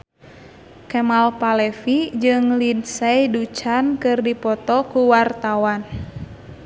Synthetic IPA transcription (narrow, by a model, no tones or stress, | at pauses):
kɛmalpalɛfid͡ʒɨŋlinsɛidut͡ʃankɨrdipɔt̪ɔkuwart̪awan